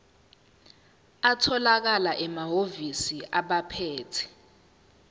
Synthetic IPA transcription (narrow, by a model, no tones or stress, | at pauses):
atʰɔlak̬alaʔɛmaɦovisiʔaɓapʰeːtʰɛ̥